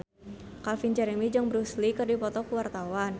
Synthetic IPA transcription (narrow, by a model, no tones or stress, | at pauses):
kalfind͡ʒɛɾɛmid͡ʒɔŋbəɾuslikɨrdipɔt̪ɔkuwart̪awan